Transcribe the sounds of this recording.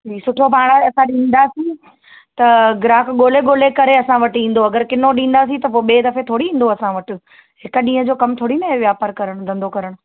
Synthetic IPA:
iːsʊʈʰopaːɽ̃aɐsãɗĩːn̆d̪asĩ | t̪ɐɡɪɾaːkɠoːleɠoːlekɐɾeɐsãʋɐʈĩːn̆d̪oɐɡəɾkɪnoɗĩːn̆d̪as̬ĩt̪ɐp̬oːeɓeːd̪ɐfet̪ʰoːɽiĩːn̆d̪oɐsãʋɐʈʊ̆ | ɦɪkɗĩːɦə̃d͡ʑoːkɐmt̪ʰoːɽinɐʋjaːpaːɾkɐɾəɽ̃ʊ̆d̪ʱɐ̃nd̪okɐɾəɽ̃ʊ

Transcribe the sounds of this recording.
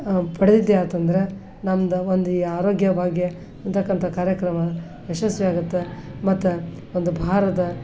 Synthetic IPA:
pɐɽed̪id̪ːeaːt̪ɐnd̪ɐɾe̞ | nɐmd̪ɐond̪uiːaːɾo̞ːɡjɐbʱaːɡje | nt̪ʰɐkːɐnt̪ʰɐkaːɾjɐkɾɐmɐ | eʃɐsʋijaːɡut̪ːemɐt̪ːu | ond̪ubʱaːɾɐd̪ɐ

